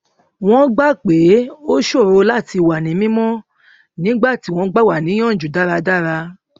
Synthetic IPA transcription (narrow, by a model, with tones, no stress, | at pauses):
w̃ɔ̃˦ɡ͡ba˦k͡pe˨˦o˦ʃo˦˨ɾo˧la˦˨ti˧wa˨nĩ˨˦mĩ˦mɔ̃˦ | nĩ˦ɡ͡ba˦˨ti˨˦w̃ɔ̃˧˦ɡ͡ba˦˨wa˨nĩ˨˦j̃ɔ̃˦˨d͡ʒu˨da˨˦˨ɾa˧da˦˨ɾa˧